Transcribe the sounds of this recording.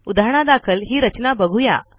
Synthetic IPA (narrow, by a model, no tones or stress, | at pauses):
ud̪ʱaɾɳ̃ad̪akʰəlɦiːɾət͡ɕnabəɡʱuja̰